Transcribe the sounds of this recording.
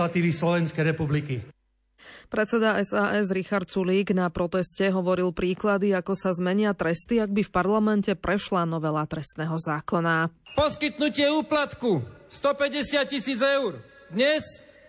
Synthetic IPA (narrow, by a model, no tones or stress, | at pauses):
at̪iːʋislɔʋɛnskɛjɾɛpubliki | pɾɛt̪t͡sɛd̪aɛsaːʔɛzɾixaɾt̪̚t͡suliːɡnapɾɔt̪ɛscɛɦɔʋɔɾilpɾiːklad̪iakɔsazmɛɲɪat̪ɾɛst̪iaɡ̚bifpaɾlamɛncɛpɾɛʃlanɔʋɛlat̪ɾɛst̪nɛːɦɔzaːkɔna | pɔskit̪nucɪɛuːplat̪kust̪ɔpɛɟɛsɪat̪̚cisiːd͡zɛʊɾ | d̪ɲɛs